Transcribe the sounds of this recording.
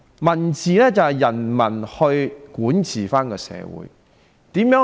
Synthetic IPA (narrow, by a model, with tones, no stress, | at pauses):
mɐ˨˩nt͡sʰiː˨lɛː˥t͡sɐ˨hɐ˨jɐ˨˩nmɐ˨˩nhɵ˧ɥkuː˨˥nt͡sʰiː˨˩faː˥nkɔː˧sɛ̰ː˨˧wṵː˨˥j | t̪iː˨˥mjœː˨˧˥